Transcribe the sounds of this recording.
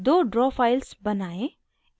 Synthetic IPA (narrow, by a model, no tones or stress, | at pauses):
d̪oːɖɾɔːfaːɪlsbɐnaːẽ